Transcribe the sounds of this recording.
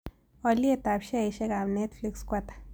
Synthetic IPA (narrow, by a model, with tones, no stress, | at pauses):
o˧lje˦˧t̪a˨bʃe˦jʃe˧ɡa˨bne˦t̪fli˧kskʷa˧t̪ḁ˨